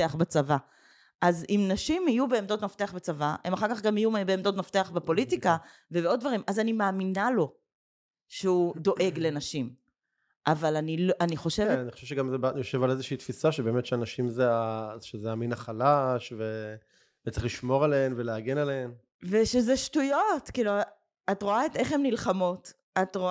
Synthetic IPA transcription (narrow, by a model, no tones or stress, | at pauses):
eaχbet͡sava | ʔazimnaʃimijubeːmd̪o̞t̪maft̪eaχbet͡savahe̞maχaʁkaχɡamijubeːmd̪o̞t̪maft̪e̞aχbepo̞litikavebeo̞d̚d̪vaʁimʔazanimaːminalo̞ | ʃeudo̞ʔe̞ɡle̞naʃim | ʔavalanilʔaniχo̞ʃevenanixχoʃevʃeɡamzebjoʃevalezeʃiiːt̪fisaʃebe̞ːmetʃeanaʃimzeaʃezeaminaχalaʃve | vett͡sʁe̥χliʃmo̞ʁaleemveleaɡenaleem | veʃezeʃtujo̞tkiːlua | atʁo̞aete̞χhe̞mnilχamo̞t | atʁo